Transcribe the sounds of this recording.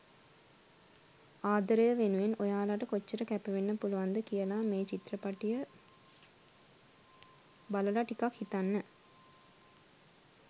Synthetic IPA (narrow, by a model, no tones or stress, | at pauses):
aːd̪əɾəjəʋenuʋenojaːlaʈəkot͡ʃːəɾəkæpɐʋenːəpuluʋand̪əkijəlaːmeːt͡ʃit̪rəpaʈijə | baləlaʈikakhit̪anːə